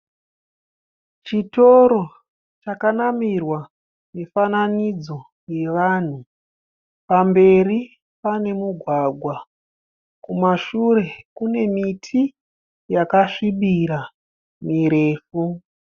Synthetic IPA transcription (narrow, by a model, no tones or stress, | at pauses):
t͡ʃito̞ɾo̞ | t͡ʃakanamirwa | nefananid͡zo̞ | je̞ʋaːn̤u | pambe̞ri | pane̞muɡʱwaɡʱwa | kumaʃure̞kune̞mitʰi | jakaʂiɓiɾa | miɾe̞ːfu